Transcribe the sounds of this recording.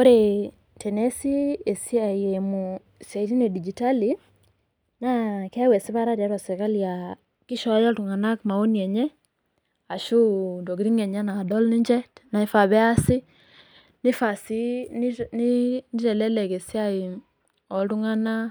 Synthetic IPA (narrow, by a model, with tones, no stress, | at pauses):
o˦ɾe | tɛ˨nɛ˦si˦e˨si˦aiemu | sa˨iɾi˦ne˨di˨d͡ʒi˨ta˦li | naka˦wɛ˨si˦βa˦ɾaɾi˨a˨˦ɾwa˨sɛ˨ka˦lja | ki˦ʃɔ˦jɔ˦tu˨ŋa˨na˦kma˨o˦niɛ˨ɲɛ˦ | a˨ʃu˦ndɔ˨ɡɾi˦ŋɛ˨ɲa˦naː˨dɔ˦lni˦ɲd͡ʒɛ˦tna˨e˦fa˨βɛ˦a˦si˦ | ni˦fasi˦nnini˦tɛ˨lɛ˦lɛ˨ke˨si˦a˦i | ɔ˨tu˦ŋa˦na˦